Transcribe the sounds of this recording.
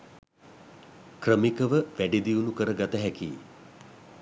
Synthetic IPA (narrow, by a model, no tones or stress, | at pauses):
krəmikəʋəʋæɖid̪iunukəɾəɡat̪əɦɛkḭː